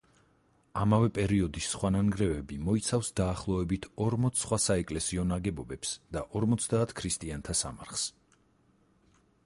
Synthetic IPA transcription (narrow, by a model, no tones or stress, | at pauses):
amavɛpʼɛɾiɔd̪isχwananɡɾɛvɛbimɔit̪sʰafsd̪aːχlˠɔɛbit̪ʰɔɾmɔt̪sʰsχwasaɛkʼlɛsiɔnaɡɛbɔbɛpsd̪̥aʔɔɾmɔt̪sʰd̪aːt̪ʰkʰɾist̪ʼiant̪ʰasa̰maɾχs